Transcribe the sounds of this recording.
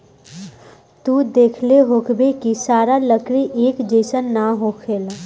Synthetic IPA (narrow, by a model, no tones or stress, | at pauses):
t̪ud̪eːkʰleɦoːkbekisaːɾaləkɾiʔeːkd͡ʒeːsənːaɦoːkʰeːl